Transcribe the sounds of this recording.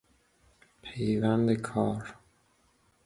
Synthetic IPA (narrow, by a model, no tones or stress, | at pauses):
pʰejvænd̪ekʰɒːɾ